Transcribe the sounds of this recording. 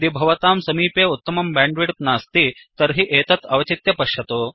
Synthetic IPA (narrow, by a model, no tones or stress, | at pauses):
d̪ibʱɐʋɐt̪aːmsɐmiːpeːut̪ːɐmɐmbɛːɳɖʋiɽp̚naːst̪it̪ɐɾɦiʔeːt̪ɐt̪ɐʋɐt͡ʃit̪jɐpɐʃjɐt̪oː